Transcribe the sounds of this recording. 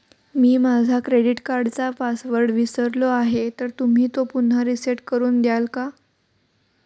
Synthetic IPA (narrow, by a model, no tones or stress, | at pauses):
miːmad͡zʱakɾeɽiʈkaɾɖt͡sapasʋəɾɖʋisəɾloaɦet̪əɾt̪um̤iːt̪opun̤ːaɾiseʈkəɾuːnd̪jalka